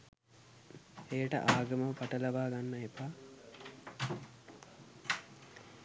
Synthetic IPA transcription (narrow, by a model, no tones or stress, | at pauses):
ejəʈə̰ʔaːɡəməʋəpaʈəlɐʋaːɡanːəepaː